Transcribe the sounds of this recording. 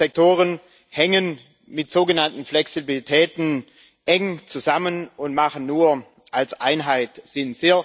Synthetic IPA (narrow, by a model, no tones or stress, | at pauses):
ɛk̚tʰoːʁən | hɛŋən | mɪtz̥oːɡənantn̩flɛksibilitʰɛːtn̩ | ʔɛŋt͡suzamənʊntmaχən̩ːuːɐ | ʔalsʔaɪnɦaɪtz̥ɪnz̥eːɐ